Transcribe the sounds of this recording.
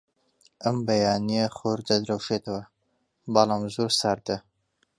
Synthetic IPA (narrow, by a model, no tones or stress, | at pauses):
ʔɐmbɐjɑːnijeχoɾd̪ɐd̪ɾɐwʃet̪ɐwɐ | bɑlɑːmzoɾsaɾd̪ɐ